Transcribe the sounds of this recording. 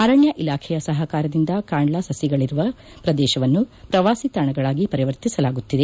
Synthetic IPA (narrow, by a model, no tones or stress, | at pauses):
ɐɾɐɳjɐʔilaːkʰɛjɐsɐɦɐkaːɾɐd̪ind̪ɐkaːɳɭɐsɐsjiɡɐɭiɾuʋɐ | pɾɐd̪ɛːʃɐʋɐnːupɾɐʋaːsit̪ɐɳɐɡɐɭaːɡipɐɾiʋɐɾt̪isɐlaːɡut̪ːid̪e̞